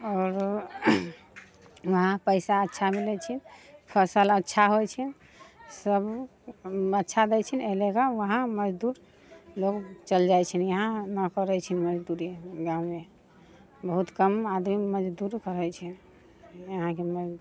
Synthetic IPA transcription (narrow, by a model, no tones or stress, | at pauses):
ɔːɾ | ʋəɦãpəɪsaətːʃʰamilɛt͡ʃʰinpʰəsələtːʃʰaɦojt͡ʃʰɛn | səb | ətːʃʰad̪ɛjt͡ʃʰinelekaʋəɦãməd͡ʒd̪uɾ | loɡt͡ʃəld͡ʒajt͡ʃʰɛnjəɦãnəkəɾɛt͡ʃʰinməd͡ʒd̪uɾiɡãwme | bəɦut̪kəmad̪miməd͡ʒd̪uɾkəɾɛjt͡ʃʰɛ | jəɦãkeməd͡ʒ